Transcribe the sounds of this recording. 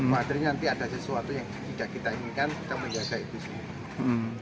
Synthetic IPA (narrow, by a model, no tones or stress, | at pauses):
maat̪əɾɲanant̪iad̥asəsuat̪ujaŋt̪idaʔkit̪aiŋikankit̪aməɲd͡ʒaɡ̥ait̪usəmua